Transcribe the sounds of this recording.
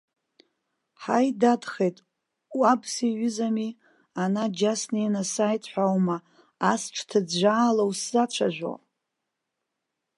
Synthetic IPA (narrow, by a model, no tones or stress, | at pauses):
ħajdadχe̞jtʼ | wabsiɥʏzami | anad͡ʒasninasajtʰʼħʷawmaː | sʈ͡ʂʰtʰɨd͡zʒʷaːlawszat͡ʃʷʰaʒᶣʷa̰